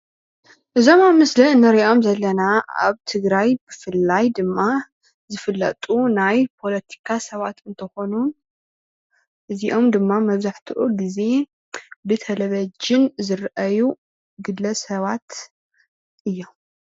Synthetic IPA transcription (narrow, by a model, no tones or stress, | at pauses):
ʔɨzo̞mamɨslɐɨnɐɾiʔo̞mzɐlːɐnaa̰βt̪ʰɨɡɾajbɨfɨlːajd̪ɨmːa | zɨfɨlːɐ̰t̪ʼunajpʰo̞lɐt̪ʰi̥kʰasɐβat̪ɨnt̪ʰɐxo̞nun | ʔɨziʔo̞md̪ɨmːamɐβzaħt̪ʰɨʔuɡize̞ | bɨt̪ʰɐlɐβɐd͡ʒɪnzɨɾʔɐju | ɡɨd̪ɐsɐβat̪ | ʔɨjːo̞m